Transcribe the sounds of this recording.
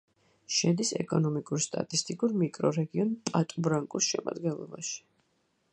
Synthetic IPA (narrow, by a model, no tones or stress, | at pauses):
ʃɛd̪isɛ̰kʼɔnɔmikʼuɾst̪ʼa̰t̪ʼist̪ʼikʼuɾmikʼɾɔɾɛɡiɔnpʼat̪ʼubɾaŋkʼusʃɛma̰d̪ɡɛnlˠɔbaʃi̥